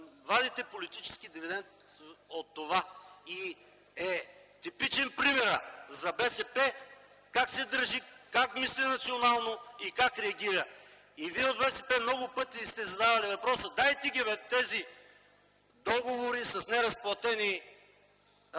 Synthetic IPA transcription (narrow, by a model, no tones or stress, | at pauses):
vad̪it̪ɛpolit̪it͡ʃɛ̥skid̪ivid̪ɛnt̪ot̪ːovai | ɛt̪ipit͡ʃɛnpɾimɛɾəzɐbɛsɛpɛ | kaksɛd̪əɾʒikakmislinɐt̪sionalˠnoikakɾɛɐɡʲiɾɐ | iviɛod̪bɛsɛpɛmnɔɡʊpɤt̪ist̪ɛzɐd̪avɐlivɐpɾɔsəd̪ajt̪iɡʲivɛt̪ɛzi | d̪ɔɡovoɾisɐsnɛɾɐsplˠɐt̪ɛni